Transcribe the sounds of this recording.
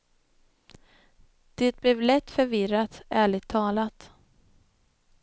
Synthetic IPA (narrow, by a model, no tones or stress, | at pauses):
d̪̥ɛːt̪̚blɛːvlɛt̪ːfœɾvɪɾat̪æːɭɪɡ̚t̪ʰːɑːlat̪